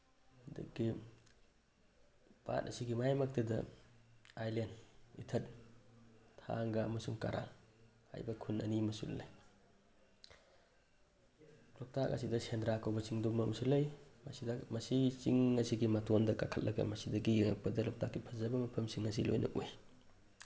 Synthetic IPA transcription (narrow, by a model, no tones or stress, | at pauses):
dɐ̰ɡi | pa̰t̚ɐ̰siɡimajmɐk̚tɐdɐ̰ | ajlenitʰɐt̚ | tʰa̰ŋɡɐmɐsumka̰ɾa̰ŋ | ha̰jbɐkʰunɐ̰nimɐsṵllaj | lɔk̚tak̚ʔa̰sidɐsendɾakʰawbɐt͡ʃiŋdumɐmɐsulːɐjmasidɐmɐsit͡ʃiŋːɐsiɡimatɔndɐkakʰɐt̚lʔɐɡa̰mɐsidɐɡiiŋɐk̚pɐdɐlɔk̚tʰak̚ːipʰɐzabɐmɐpʰɐmsiŋːas̬ilo̰jnʔɐ̰ʔuj